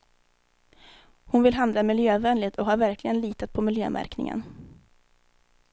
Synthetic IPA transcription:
hʊnvɪlɦand̪lamɪljøːvɛnlɪt̪ʰɔɦaːɾvæɾklɪɡənliːt̪at̪̚pʰɔmɪljø̰ːmʔæ̰ɾknɪ̰ŋə̰n

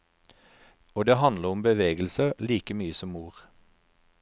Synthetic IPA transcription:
oːd̪eːhɑnləʁʊmbəʋeːɡəl̩səliːkəmyːəsɔmːuːʁ

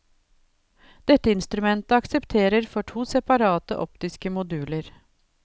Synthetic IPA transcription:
d̪̥ɛt̪ːəɪnst̪ɾʉmɛnt̪əɑksɛpt̪ʰeːɾəɾfɔʈʰuːsɛpɑɾɑːt̪ə̰ʔɔpt̪ɪskəmʊd̪ʉːləɾ

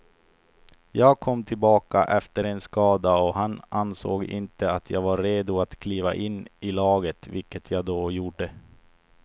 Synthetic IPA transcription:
jɑːɡkʰɔmːt̪ʰɪlbɑːkaʔɛft̪əɾɛnskɑːd̪aɔɦananso̰ːɡɪ̰nt̪əat̪ʰjɑːɡvaɾːeːd̪ʊat̪kʰliːvaʔɪnːɪlɑːɡət̪vɪlkːət̪ʰjɑːɡd̪oːjuːɖə

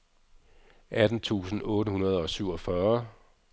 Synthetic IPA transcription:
ʔæd̥n̩t͡sʰṵːsn̩ɔ̽ːɾəɦunɐð̞̩ˠɒ̽syʊɒ̽fɶɐ

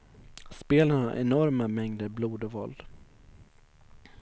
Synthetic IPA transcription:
speːlənaɾʔɛ̰nɔɾmamɛŋd̪əɾbluːd̪ɔvɔld̪̥

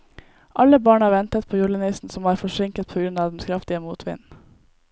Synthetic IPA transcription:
ʔɑlːəbɑːɳhɑːɾʋɛnt̪ət̪̚pʰoːjuːɭəniːsn̩sɔmhɑːɾfɔʂɪŋkət̪̚pʰoːɡɾʉnɑːʋd̪ɛn̩skʰɾɑft̪ɪəmuːt̪ʰʋɪ̰n

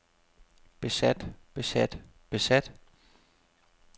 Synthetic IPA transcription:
b̥e̝sæd̥b̥e̝sæd̥ | b̥e̝sæd̥

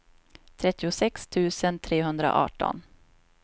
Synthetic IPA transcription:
t̪ʰɾɛt̪ːɪʊsɛkst̪ʰʉ̟ːsənt̪ʰɾeːɦɵnd̪ɾa̰ʔɑ̰ːʈɔ̰n

